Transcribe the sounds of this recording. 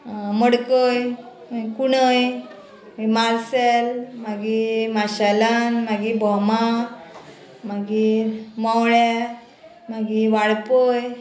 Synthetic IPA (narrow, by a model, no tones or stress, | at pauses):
məɽkəj | maɡikuɽəj | maɡimaɾselmaɡimaɕalanmaɡibɔma | maɡimɔwɭja | maɡiʋaɽpəj